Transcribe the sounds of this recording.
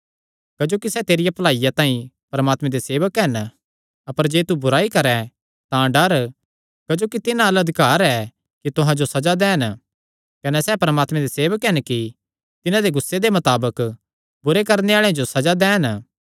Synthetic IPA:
kɐd͡ʒoːkisɛːt̪eːɾɪjapɐlaːijat̪ãːĩ | pɐɾəmaːt̪mɛ̃d̪eseːʋəkɦɛn | ɐpəɾd͡ʒeːt̪ubʊɾaːikɐɾɛ | t̪ãɖɐɾ | kɐd͡ʒoːkit̪ɪnãɐlɐd̪ʱɪkaːɾɛ | kit̪ʊɦãd͡ʒosɐd͡ʒad̪ɛːn | kɐnɛsɛpɐɾəmaːt̪mɛ̃d̪eseːʋəkɦɛnki | t̪ɪnãd̪eɡʊsːed̪emɐt̪aːbək | bʊɾekɐɾneaːɭẽd͡ʒosɐd͡ʒad̪ɛːn

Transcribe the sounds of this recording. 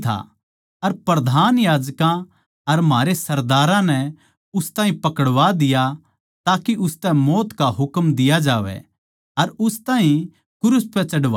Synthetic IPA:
t̪ʰa̰ | ɐɾpɾɐd̪ʱaːnjaːd͡ʒkã | ɐɾmɦaːɾesɐɾd̪aːɾãnɛ | ʊst̪aːɦĩpɐkəɽʋad̪ɪja | t̪aːkiʔʊst̪ɛ̃mɔːt̪kaɦʊkmd̪ɪjad͡ʒaːʋɛ̰ | ɐɾʊst̪ãːɦĩ | kʊɾʊspɛt͡ʃɐɽʋa

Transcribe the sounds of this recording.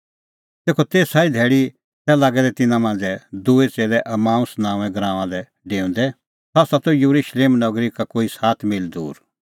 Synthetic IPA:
t̪eːkʰɔt̪eːsaːid̪ʱɛːɽi | t̪ɛlaːɡɛd̪ɛt̪ɪnãmãːn̆d͡zɛd̪uːet͡seːlɛʔɐmãːũsnãːũɛ̃ɡɾãːʋãlɛ | ɖeːũnd̪ɛ | sasat̪ɔjuɾuʃleːmnɐɡɾikakoːisaːt̪ʰmɪld̪ṵːɾ

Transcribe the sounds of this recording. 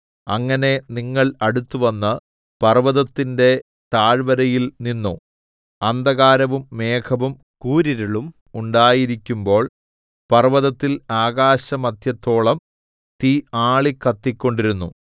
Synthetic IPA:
ɐŋːɐne̞niŋːɐɭɐɽut̪ːuʋɐnːɐ | pɐrʋɐðɐt̪ːinde̞ | t̪aːɻʋɐɾɐjilninːo | ɐnd̪ɐɣaːɾɐʋumːe̞ːkʰɐʋum | kuːɾiɾiɭum | uɳɖaːjiɾikʲːumbo̞ːɭ | pɐrʋɐðɐt̪ːilaːɣaːɕɐmɐd̪ʱjɐt̪ːo̞ːɭɐm | t̪iaːɭikːɐt̪ːikʲːo̞ɳɖiɾunːu

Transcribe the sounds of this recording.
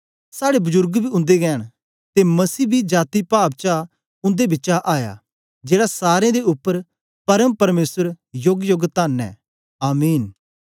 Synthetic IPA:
saːɽebʊzʊɾɡbʱiʊ̃nd̪eɡɛːɽ̃ | t̪emɐsiːbʱid͡ʒaːt̪ipaːpt͡ʃa | ʊ̃nd̪ebɪtːt͡ʃaʔaːja̰ | d͡ʒeːɽasaːɾẽd̪eʊpːəɾ | pɐɾəmpɐɾmeːsəɾ | joɡjoɡt̪aːnɛ̰̃ | aːmiːn

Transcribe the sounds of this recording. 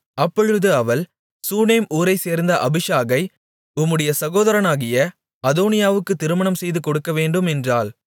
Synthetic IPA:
ɐpːɔɻɯðɯɐʋɐl | suːneːmuːɾɐɪseːɾnd̪ɐʔɐbɪʂaːɣɐɪ | ʊmːɯɽɐjɐsɐɣoːðɐɾɐnaːɣɪjɐ | ɐðoːnɪjaːʋɯkːɯt̪ːɪɾɯmɐɳɐmsɛjðɯkɔɽɯkːɐʋeːɳɖɯmɛndraːl

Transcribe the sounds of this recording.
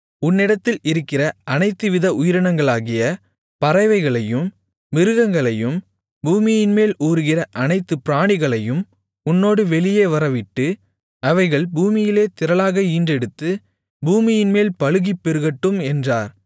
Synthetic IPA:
ʊnːɪɽɐt̪ːɪlɪɾɯkːɪrɐʔɐnɐɪt̪ːɯʋɪðɐʊjɪɾɐɳɐŋɡɐɭaːɣɪjɐ | pɐɾɐɪʋɐɪɣɐɭɐjɯm | ʋɪɾɯɣɐŋɡɐɭɐjɯm | buːmɪjɪnmeːluːɾɯɣɪrɐʔɐnɐɪt̪ːɯpɪɾaːɳɪɣɐɭɐjɯm | ʊnːoːɽɯʋɛɭɪjeːʋɐɾɐʋɪʈːɯ | ɐʋɐɪɣɐɭbuːmɪjɪleːt̪ɪɾɐɭaːɣɐiːndrɛɽɯt̪ːɯ | buːmɪjɪnmeːlpɐɻɯɣipːɛɾɯɣɐʈːɯmɛndraːɾ

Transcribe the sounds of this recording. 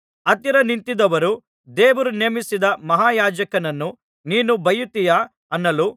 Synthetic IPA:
ɐt̪iɾɐnint̪id̪ɐʋɐɾu | d̪eːʋɐɾuneːmisid̪ɐmɐɦaːjaːd͡ʒɐkɐnɐnːu | niːnubʱɐjut̪ːijaː | ɐnːɐlu

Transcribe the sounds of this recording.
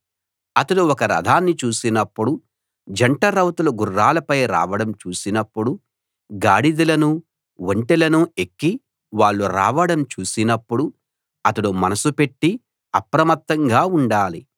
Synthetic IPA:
ɐt̪ɐɽuɔkɐɾɐ̰d̪ʱaːnːit͡ʃuːsinɐpːuɽu | d͡ʒɐɳʈɐɾɐwt̪ulɐɡurːaːlɐpɐjɾa̰ːʋɐɽɐmt͡ʃuːsinɐpːuɽu | ɡaːɽid̪ulɐnu | ʋoɳʈelɐnuekːi | ʋaːɭːuɾa̰ːʋɐɽɐmt͡ʃuːsinɐpːuɽu | ɐt̪ɐɽumɐnɐsupe̞ʈːi | ɐpɾɐmɐt̪ːɐŋɡaːuɳɖaːlḭ

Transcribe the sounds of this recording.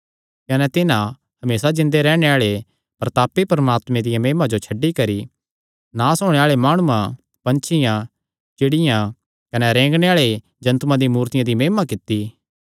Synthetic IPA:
kɐnɛt̪ɪnã | hɐmeːsad͡ʒɪ̃nd̪eɾɛːɽ̃eaːɭe | pɐɾt̪aːpːipɐɾɐmaːt̪mẽd̪ɪjãmeːmãd͡ʒot͡ʃʰɐɖːikɐɾi | nãsɔːɽ̃eaːɭemaːɽ̃uã | pɐ̃nt͡ʃʰɪjã | t͡ʃɪɽɪjã | kɐnɛɾẽːŋɡɽ̃eaːɭe | d͡ʒɐ̃nt̪mãd̪imuːɾt̪ɪjãd̪imeːmakɪt̪ːi

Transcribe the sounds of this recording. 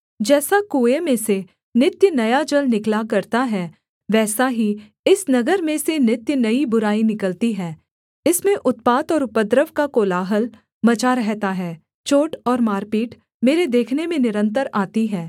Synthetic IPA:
d͡ʒɛːsakoːemẽse | nɪt̪jənɐjad͡ʒɐlnɪklakɐɾt̪aɦɛː | ʋɛːsaɦi | ɪsnɐɡəɾmẽsenɪt̪jənɐibʊɾaːinɪkəlt̪iɦɛː | ɪsmẽʔʊt̪̚paːt̪ɔːɾʊpəd̪ɾəʋkakoːlaːɦəl | mɐt͡ʃaɾɛɦt̪aɦɛː | t͡ʃoːʈɔːɾmaːɾpiːʈ | meːɾed̪eːkʰnemẽnɪɾə̃nt̪̬əɾaːt̪iɦɛː

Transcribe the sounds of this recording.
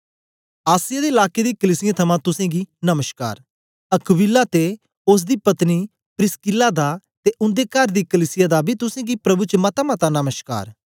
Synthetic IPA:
aːsɪjad̪eɪlaːked̪iːkəliːsɪjãt̪ʰɐmãt̪ʊsẽɡiːnɐməʃka̰ːɾ | ɐkʰʋilːat̪e | ʊs̬d̪iːpɐt̪ni | pɾɪskɪlad̪a | t̪eʔʊ̃nd̪ekɐɾd̪iːkəliːsɪjad̪abʱit̪ʊsẽːɡipɾɐbut͡ʃəmɐt̪amɐt̪anɐməʃka̰ːɾ

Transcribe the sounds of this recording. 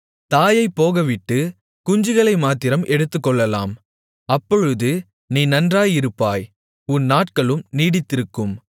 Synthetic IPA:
t̪aːjɐɪpːoːɣɐʋɪʈːɯ | kʊɲd͡ʒɯɣɐɭɐɪmaːt̪ɪɾɐmʔɛɽɯt̪ːɯkːɔɭːɐla̰ːm | ɐpːɔɻɯðɯ | niːnɐndraːjɪɾɯpːaːj | ʊnːaːʈ̚kɐɭɯmniːɽɪt̪ːɪɾɯkːɯm

